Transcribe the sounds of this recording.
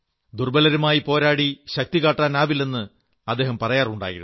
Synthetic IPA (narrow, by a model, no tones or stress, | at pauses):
d̪urbɐlɐɾumaːjipo̞ːɾaːɽiɕɐk̚t̪ikaːʈːaːnaːbilːenːɨ | ɐd̪ːe̞ːɦɐmpɐrɐjaːruɳɖa̰ːjḭɾṵ